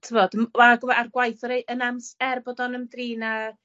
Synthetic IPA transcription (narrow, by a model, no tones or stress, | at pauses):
tʰɪvoːdəmaɡɔvɛarɡwajθɔɾejʔənamsɛrbɔdɔnəmdriːna